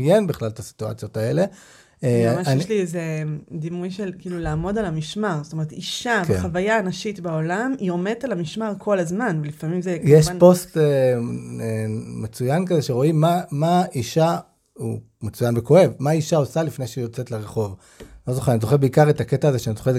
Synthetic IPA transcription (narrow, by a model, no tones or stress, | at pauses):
jenbiχlalet̪asi̥tua̰t͡sjo̞tae̞le̞ | maajɛlized̪imujʃelkiːlulaːmo̞dalhamiʃmaʁzot̪oe̞ʁet̪iʃakeχavajaːnaʃitbaolamio̞met̪alamiʃmaʁkʰo̞lazmanvelifamimzekjeʃanpo̞ste | emet͡sujankazeʃeʁo̞imːamaiʃa | ṵ | met͡sujanbeko̞e̞vmaiʃaosalifne̞jʃeijo̞t͡setleʁeχo̞v | lo̞zo̞χeanizo̞χebeikaʁetaketaːze̞ʃeanizoχe